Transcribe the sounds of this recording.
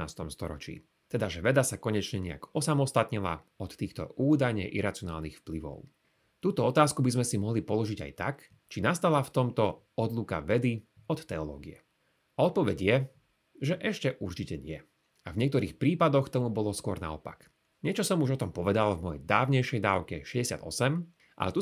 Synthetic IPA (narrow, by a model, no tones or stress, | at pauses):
aːst̪ɔmst̪ɔɾɔ̰t͡ʃḭː | t̪ɛd̪aʒɛʋɛd̪asakɔɲɛt͡ʃɲɛɲɛa̰kɔsamɔst̪at̪ɲila̰ | ɔt̪t̪ːiːxt̪ɔ̰uːd̪ajɲɛ̰ʔiɾat͡siɔnaːlnixfpliʋɔ̰ʊ | t̪uːt̪ɔɔt̪aːskubizmɛsimɔɦlipɔlɔʒiɟa̰jt̪a̰k | t͡ʃinast̪alaft̪ɔmt̪ɔ | ɔd̪luka̰ʋɛd̪i | ɔt̪t̪ɛɔlɔ̰ːɡiɛ̰ | aɔt̪̚pɔʋɛɟjɛ | ʒɛʔɛʃcɛʔuɾt͡ʃicɛɲɪɛ | avɲɪɛkt̪ɔɾiːxpɾiːpad̪ɔxt̪ɔmubɔlɔskɔɾna̰ɔ̰pa̰k | ɲɪɛt͡ʃɔsɔmuʒɔt̪ɔmpɔʋɛd̪alvmɔjɛ̰jd̪aːʋɲɛjʃɛjd̪aːʊkɛ̰ʃɛɟɛsɪa̰d̪ɔ̰sɛm | ʔa̰lɛt̪u